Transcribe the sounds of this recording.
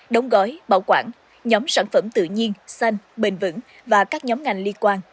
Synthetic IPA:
ɗə˨˦wŋ͡mɣɔ˨˦jɓa̰ː˧˩wkwa̰ː˧˩n | ɲɔ˨˦msaː˧˩nfə˧˩mt̪ɨ̰˧˨əɲi˧ənsa˧jŋɓï˨˩ŋ̟vɨ̰˧˥ŋ | vaː˨˩kaː˦˥k̚ɲɔ˨˦mŋa˨˩jŋli˧ənkwaː˧n

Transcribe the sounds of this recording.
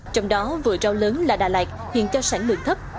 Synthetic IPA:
t͡ɕɔ˧wŋ͡mɗɔ˨˦vɨ̰˧˨ət͡ɕɔ˨˧˦wləː˨˦nlaː˨˩ɗaː˨˩laː˨˩jk̚hwḭ˧˨nt͡ɕɔ˧saː˧˩nlɨ̰˨˧˩əŋt̪ʰə˦˥p̚

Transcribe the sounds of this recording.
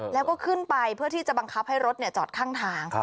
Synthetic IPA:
lɛː˦˥wkɔː˥˩kʰɯ˥˩npa˧jpʰɯ˥˩ɐt̪ʰiː˥˩t͡ɕa˨˩ba˧ŋkʰa˦˥p̚ha˥˩jɾo˦˥t̪̚ni˥˩ɐt͡ɕɔː˨˩t̪̚kʰaː˥˩ŋt̪ʰaː˧˥ŋ

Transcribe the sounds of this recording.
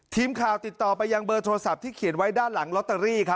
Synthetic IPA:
t̪ʰiː˧mkʰaː˨˩wt̪i˨˩t̪ːɔː˨˩pa˧jːa˧ŋbɤː˧t̪ʰoː˧sa˨˩p̚t̪ʰiː˥˩kʰi˨˩˦nwa˦˥jdaː˥˩nla˩˦ŋlo˦˥t̪ːa˧ɾiː˥˩kʰa˦˥

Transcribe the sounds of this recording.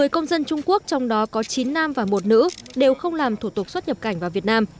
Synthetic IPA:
ɨ˨˩jkə˧wŋ͡mzə˧nt͡ɕʊ˧ŋ͡mku˦˥ək̚t͡ɕɔ˧wŋ͡mɗɔ˨˦kɔ˨˦t͡ɕi˨˦nːaː˧mvaː˨˩mo˨˩t̚nɨ̰˧˥ɗe˨˩wxə˧wŋ͡mlaː˨˩mt̪ʰu˧˩t̪ʊ˨˩k̚swə˦˥t̚ɲə˨˩p̚ka˧˩jŋ̟vaː˨˩vi˨˩ət̚naː˧m

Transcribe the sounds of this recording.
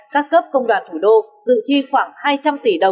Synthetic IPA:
kaː˦˥kːə˦˥p̚kə˧wŋ͡mɗwaː˨˩nt̪ʰu˧˩ɗo˧zɨ̰˧˨t͡ɕi˧xwaː˧˩ŋhaː˧jt͡ɕa˧mt̪i˧˩ɗə˨˩w

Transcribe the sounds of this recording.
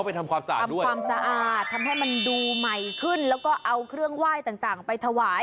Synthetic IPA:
pa˧jt̪ʰa˧mkwaː˧msa̰˧aː˨˩˧mdu˥kəwaː˧msa˧ʔaː˨˩t̪ʰːa˧mɦa˥˩jma˧nduː˧ma˨˩jkʰɯ˥˩nlɛː˦˥wkɔː˥˩ʔa˧wkʰɾɯ˥˩əŋwaː˥˩jt̪aː˨˩ŋt̪aː˨˩ŋpa˧jt̪ʰa˧waː˩˦j

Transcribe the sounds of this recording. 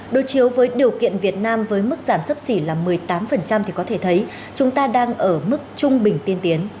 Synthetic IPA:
ɗo˨˦jt͡ɕi˨˦əwvəː˨˦jɗi˨˩əwkḭ˧˨ənvi˨˩ət̚naː˧mvəː˨˦jmɨ˦˥k̚zaː˧˩msə˦˥p̚si˧˩laː˨˩mɨ˨˩əjt̪aː˨˦mfə˨˩nt͡ɕa˧mt̪ʰi˨˩kɔ˨˦t̪ʰe˧˩t̪ʰə˨˦j | t͡ɕʊ˨˦ŋ͡mt̪aː˧ɗaː˧ŋʔəː˧˩mɨ˦˥k̚t͡ɕʊ˧ŋ͡mɓï˨˩ŋ̟t̪i˧ənt̪i˨˦ən

